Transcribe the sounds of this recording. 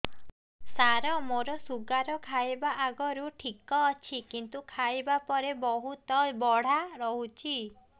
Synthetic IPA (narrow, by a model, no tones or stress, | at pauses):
saɾɔmoɾɔsuɡaɾɔkʰajbaʔaɡɔɾuʈʰikɔːt͡ʃʰikint̪ukʰajbapɔɾebɔɦut̪ɔbɔɽ̤aɾɔɦut͡ʃʰi